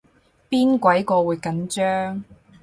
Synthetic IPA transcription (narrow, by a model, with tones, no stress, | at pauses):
piː˥nkʷɐ˨˥jkɔː˧wuː˨˧jkɐ˨˥nt͡ʃœː˥ŋ